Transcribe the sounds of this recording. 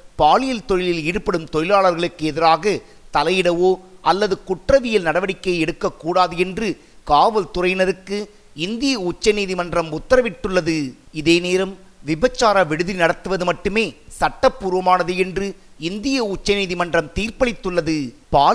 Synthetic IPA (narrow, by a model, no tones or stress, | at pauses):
paːlɪjɐlt̪ɔɻɪlɪliːɽɯpɐɽɯmt̪ɔjɪlaːɭɐɾɣɐɭɯkːɯɛðɪɾaːɣɐ | t̪ɐlɐjɪɽɐʋoːʔɐlːɐðɯkʊʈrɐʋɪjɪlnɐɽɐʋɐɽɪkːɐɪɛɽɯkːɐkːuːɽaːðɯɛndrɯ | kaːʋɐlt̪ʊrɐɪnɐɾɯkːɯ | ɪnd̪ɪjɐʊt͡ʃːɐniːðimɐndrɐmʊt̪ːɐɾɐʋɪʈːɯɭːɐðɯɪðeːneːɾɐm | ʋɪbɐt͡ʃːaːɾaʋɛɽɯðinɐɽɐt̪ːɯʋɐðɯmɐʈːɯmeːsɐʈːɐpːuːɾɯʋɐmaːnɐðɯɛndrɯɪnd̪ɪjɐʊt͡ʃːɐniːðimɐndrɐmt̪iːrpɐɭɪt̪ːɯɭːɐðɯpaː